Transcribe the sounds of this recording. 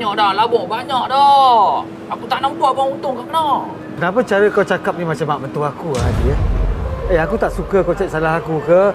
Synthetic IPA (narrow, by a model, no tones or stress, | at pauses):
ɲɔʔdalabɔbaɲɔʔdɔ | ʔakut̪aʔnamkwabɔunt̪ʊŋkakənɔ | kənap̬ət͡ʃaɾəkawt͡ʃakap̚nimat͡ʃamaʔbənt̪uakuadiə | eakut̪aʔsukəkawt͡ʃaʔ̚salaɦakukə